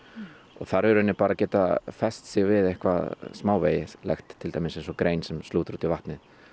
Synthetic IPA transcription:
ɔ̰ɣθaɾvɛɾʏɛnːɪpaːɾacɛːt̪afɛst̪sjɪɣvɪðejhkvaðsmaːwveːjɪlɛ̰xt̪ʰːɪlt̪aːjmɪnsɛns̬ɔkɾeːjnsɛmst̪uːt̪ɾuːt̪ivaht̪nɪð

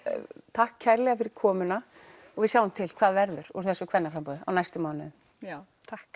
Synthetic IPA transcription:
t̪ʰahkʰːaɾlɛɣafɪɾɪɾ̥kʰɔːmʏna | ɔɣvɪsjaːwʏmt̪ʰɪlkʰv̥aːðvɛɾðʏɾ̥ṵɾ̥θɛsʏkʰvɛnːafɾampɔːðɪa̰wnajst̪ʏmaːwnɪðʏ | t̪ʰahk

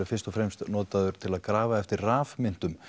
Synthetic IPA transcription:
ɪɾfɪrst̪ɔfɾɛjmst̪nɔːt̪aðʏɾ̥t̪ʰɪlaðkɾaːvaɛft̪ɪɾraːvmɪn̥t̪ʏm

